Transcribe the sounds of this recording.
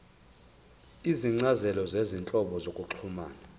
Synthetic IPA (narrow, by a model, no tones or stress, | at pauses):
iziŋ͡ǀazɛlɔzezint͡ɬʼɔɓɔzokʼuǁʰumaːna